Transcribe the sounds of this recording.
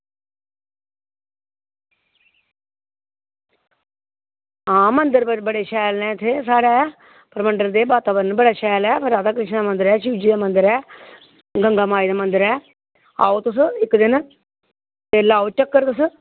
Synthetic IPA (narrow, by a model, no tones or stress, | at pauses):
ãːmənd̪əɾbəɽeːʃɛːlnɛ̃ːɪt̪ʰːeːsaːɽɛː | pəɾəməɳɖəɾd̪eːbaːt̪aːbəɾənbəɽaːʃɛːlɛːɾaːd̪aːkɾɪʃnd̪aːmənd̪əɾɛːʃiːd͡ʒiːd̪aːmənd̪əɾɛː | ɡəŋɡaːmaːid̪aːmənd̪əɾɛː | a̰ːoːt̪ʊs̬ɪkd̪ɪn | eːlaːot͡ʃəkːəɾt̪ʊs